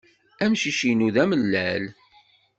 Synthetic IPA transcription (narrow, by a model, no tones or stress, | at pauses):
æmʃiʃinuðæməlːæl